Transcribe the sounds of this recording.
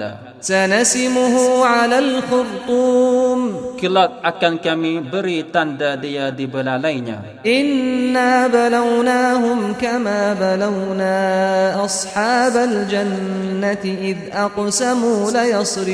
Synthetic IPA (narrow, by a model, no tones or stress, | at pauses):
a̰ | sanasɪmʊɦuːʕalaːlxʊɾt̪ˤuːmkəlak̚ʔakankamibəɾit̪andadijadibəlalajɲa̰ | ʔɪnːaːbalawnaːɦʊmkamaːbalawnaːʔɑsˤħɑːbald͡ʒanːat̪ɪʔɪðʔɑqsamuːlajɑsˤɾɪ